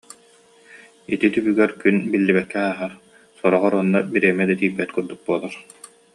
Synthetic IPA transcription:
it̪it̪ybyɡɛɾkynbilːibɛk̚kːɛaːɦaɾ | sɔɾɔʁɔɾɔnːabiɾɛɛmɛd̪at̪iːbːɛt̪kuɾd̪uk̚buɔlˠaɾ

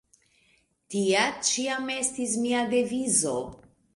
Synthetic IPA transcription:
tiat͡ʃiame̞stis̬miade̞vizo̞

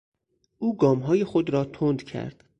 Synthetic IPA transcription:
ʔuːɡɒːmɦɒːje̞xod̪ɾɒːt̪ʰond̪cʰæ̰ɾd̪̥

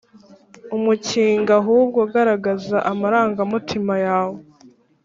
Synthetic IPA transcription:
umuciːŋɡaɦubɡaɡaɾaɡazaʔamaɾaːŋɡamutʰimajaːwo

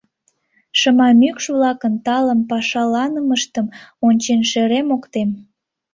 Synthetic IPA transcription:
ʃəmɑmykʃβlɑkənt̪ɑləmpɑʃɑlɑnəməʃt̪əmonʲt͡ɕenʃeɾemokt̪em

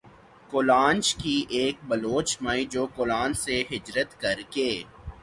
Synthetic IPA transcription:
kolaːnt͡ʃkiʔeːk̚bɐloːt͡ʃmaid͡ʒoːkʊlaːnseɦɪd͡ʒɾət̪kɐɾkeː

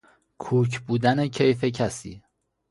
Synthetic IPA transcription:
kʰuːcʰbuːd̪ænecʰe̞jfe̞cʰæsḭː

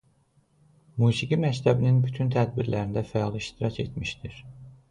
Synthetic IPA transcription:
muːsiɟimæct̪ʰæbininbyt̪ʰynt̪ʰæd̪̚biɾlæɾind̪æfæjɑlˠiʃt̪ʰiɾɑcʰe̞̰t̪ʰmiʃt̪iɾ̥

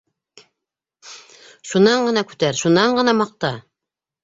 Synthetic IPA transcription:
ʃunːɑɴɢɤ̆nɑkʉ̥t̪æɾʃunːɑɴɢɤ̆nɑmɑq̚t̪ɑ

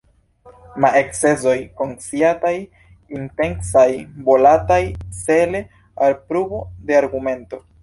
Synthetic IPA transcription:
maekse̞zo̞jkonsiataj | inte̞ŋsajbo̞latajt͡se̞le̞ | alpɾubode̞aɾɡume̞nto̞

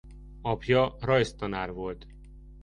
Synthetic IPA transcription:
ɒpjɒrɒjst̪ɒnaːrvo̞lt̪

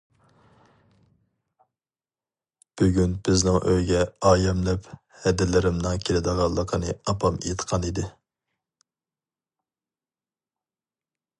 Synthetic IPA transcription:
b̥yɡʲynb̥ɪznɪŋʔøjɡʲɛɑːjɛmlɛp | hɛd̪ɪlɪɾɪmnɨŋkʲʰelɪd̪əʁɑlˠːəqʰənɨɑpʰɑmḛjt̪ʰqʰɑnid̪ɪ

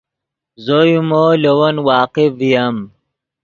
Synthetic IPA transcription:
zojumolewɐnwaːqivijɐm

